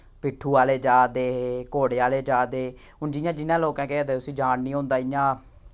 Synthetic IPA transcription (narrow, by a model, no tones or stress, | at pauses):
pɪʈʰːuːaːleːd͡ʒaːd̪eːɦeːkoːɽeːaːleːd͡ʒaːd̪eː | ɦʊnd͡ʒɪjãːd͡ʒɪnãːloːkɛ̃ːkɛaːd̪eːʊsĩːd͡ʒaːnnĩːõːnd̪aːɪjãː